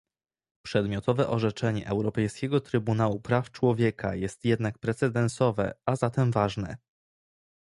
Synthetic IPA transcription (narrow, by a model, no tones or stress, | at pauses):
pʂɛd̪mʲjɔt̪ɔvɛʔɔʐɛt͡ʂɛɲɛ̰ʔɛwɾɔpɛjskʲɛɡɔt̪ɾɘbunawupɾaft͡ʂwɔvʲjɛkʰajɛst̪jɛd̪nak̚pɾɛt̪sɛd̪ɛnsɔvɛ̰azat̪ɛmvaʐnɛ̰